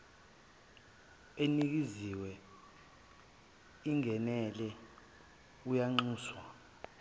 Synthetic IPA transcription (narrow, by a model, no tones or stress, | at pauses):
enik̬iziwɛ | iŋʱɛnɛlɛ | ujaŋ͡ǃuːswa